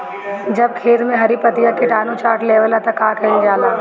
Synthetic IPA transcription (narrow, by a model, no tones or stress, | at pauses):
d͡ʒɐb̚kʰeːt̪mẽɦɐɾipɐt̪ijakeʈaːnõt͡ʃaːɾʈleːʋəlat̪ɐkːaːkʰɐind͡ʒaːlaː